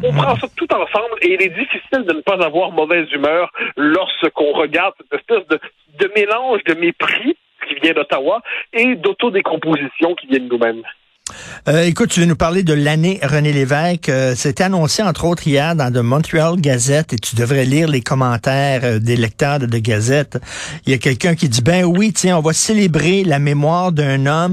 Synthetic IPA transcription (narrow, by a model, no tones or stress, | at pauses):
ɔ̃pχɑ̃sɔt̪ut̪ɑ̃sɑ̃bleilɛd̪ifisɪld̪ənəpazavwaːʁmɔvɛːzymœːʁlɔʁsəkɔ̃ʁəɡaʁd̪sɛt̪ɛspɛsd̪ə | d̪əmelɑ̃ʒd̪əmepχi | kʲivjɛ̃d̪ət̪awaed̪ot̪od̪ekɔ̃pozisjɔ̃kʲivjɛ̃nnumɛ̃m | øekʊt̪̚ːyvønupaʁled̪əlaneʁənelevɛɪkəsaet̪ɛanɔ̃seɑ̃t̪χoːt̪χijɛːʁd̪ɑ̃d̪əmɑ̃t̪ɥɛlɡʲazɛt̪et̪yd̪əvʁɛliːʁlekʰɔmɑ̃t̪ɛːʁd̪elɛk̚t̪œːʁd̪əd̪əɡʲazɛt̪ijakʲɛlkʲœ̃kʲid͡zibɛ̃wit͡sjɛ̃ɔ̃vaselebʁelamemwaːʁd̪œ̃nɔm